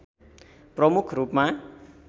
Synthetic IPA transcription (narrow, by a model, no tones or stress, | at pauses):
prʌmukʰruːp̚ma